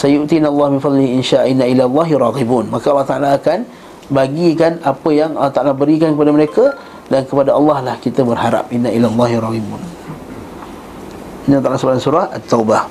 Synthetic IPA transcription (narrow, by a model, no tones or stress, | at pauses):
sajuʔt̪inalˤːɑhmɪnfɑd̪ˤlihiinʃaʔinːailalˤːɑɦiɾˤɑɣibunmakaɑlːɑht̪aʔalaːkan | baɡikanapəjaŋɑlːɑht̪aʔalabəɾikankəpadaməɾekə | dankəpadaɑlːɑhlahkit̪əbərhaɾa̰p̚ʔinːailalˤːɑɦiɾˤɑɣibun | inialt̪alasəbalansuɾahat̪ːawbah